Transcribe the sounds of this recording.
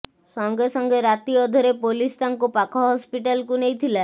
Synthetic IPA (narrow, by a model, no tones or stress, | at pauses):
sɔŋɡesɔŋɡeɾat̪iɔd̪ʱɔɾepolist̪aŋkupakʰɔɦɔspiʈalkunejt̪ʰila